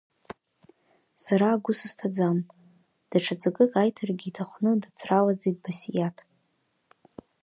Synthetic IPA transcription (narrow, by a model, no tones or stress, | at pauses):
saɾaːɡʷʊsɨstʰad͡zam | d̥aʈ͡ʂʰad͡zakʼɨkʼajtʰarɡʲitʰaχʷnɨdat͡sʰralad͡zid̚basijatʰ